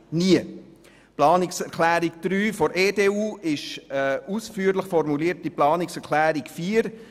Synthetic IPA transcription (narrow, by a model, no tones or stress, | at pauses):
niə | plɑːnɪksɛɾkʰlæːɾikd̥ɾyːfɔɾʔeːdeːuːɪʃusfyːəɾləχfɔɾmuliːəɾt̚iplɑːnɪksɛɾkʰlæːɾikfiːɾ